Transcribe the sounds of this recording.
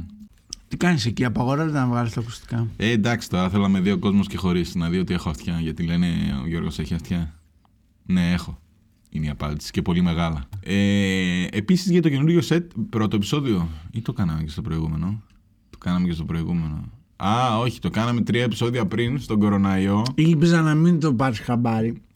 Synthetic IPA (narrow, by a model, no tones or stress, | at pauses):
t̪ikɐniseciɐpɐɣo̞ɾɐzt̪enɐvɣɐlist̪ɐku̥st̪i̥kɐend̪ɐksi̥t̪o̞ɾɐθe̞lɐme̞ðio̞ko̞zmo̞sce̞xo̞ɾisnɐðio̞t̪ie̞xoɐft̪çɐʝɐt̪ile̞neo̰ʝo̞ɾɣo̞̰se̞çiɐft̪çɐ | ne̞e̞xo | ineɐpɐ̰nd̪i̥si̥ce̞po̞lime̞ɣɐlɐe̞ː | pisizʝɐt̪o̞ce̞nuɾʝo̞se̞t̪̚pɾo̞t̪oepi̥so̞ðio̞it̪o̞kɐnɐme̞ce̞st̪o̞pɾo̞iɣume̞no̞ | t̪o̥kɐnɐmecest̪opɾo̞iɣume̞no̞̰ | ɐo̞çi̥t̪o̞kɐnɐme̞t̪ɾiɐe̞pi̥so̞ðiɐpɾinst̪o̞ɡo̞ɾonɐio̞ilpizɐnɐmint̪opɐɾisxɐbɐɾi